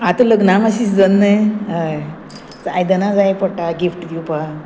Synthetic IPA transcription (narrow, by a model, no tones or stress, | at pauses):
at̪ələɡnamaɕiːsd͡zənːəjɦa | sajd̪ənad͡zajpəʈaɡifʈɡ̪iwpa